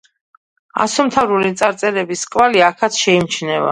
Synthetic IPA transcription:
a̰sɔmt̪ʰavɾulit̪sʼaɾt̪sʼɛɾɛbiskʼvaliakʰat̪ʰʃɛimt͡ʃʰnɛva̰

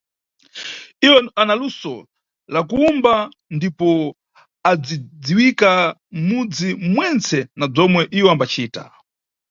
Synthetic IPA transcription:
iwanalusɔ | lak̬uumba | ndipɔ | ad͡zid͡ziwikamud͡zimwɛnt͡sɛnab͡ʐɔmwɛʔiwɛambat͡ʃiːta̰

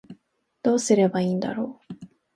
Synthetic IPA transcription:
d̪̥o̞ːsɨɾe̞baiːnd̪a̰ɾo̞ː

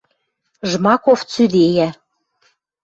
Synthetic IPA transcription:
ʒmɑkoft͡syd̪ejæ

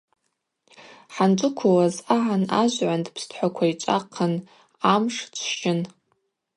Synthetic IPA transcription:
ħanʈ͡ʂʷʼʊkʷʰʊwazaʕanaʒʷʕʷandpʰstʰħʷakʷʰait͡ʃʷʼa̰qʰən | amʂt͡ʃʷʰʃɪn

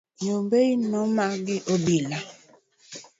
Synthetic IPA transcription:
ɲombeinɔmaɡɪʔobila

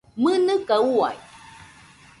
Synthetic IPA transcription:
mɨnɨkaua̰j

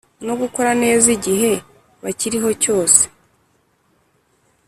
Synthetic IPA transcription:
no̞ɡuko̞ɾane̞ːziɟiɦe̞ | βaciɾiɦo̞co̞ːse̥

